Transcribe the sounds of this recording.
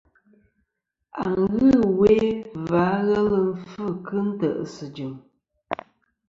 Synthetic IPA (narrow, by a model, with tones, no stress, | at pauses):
a̰˨ŋŋ̩˨ɣɨ˦˨we˦va˨˦ɣɛ˦lə˦m̩˦fɨ˦˨kɨ˦n̩˦tə˨ʔsɨ˨d͡ʒɨ˨m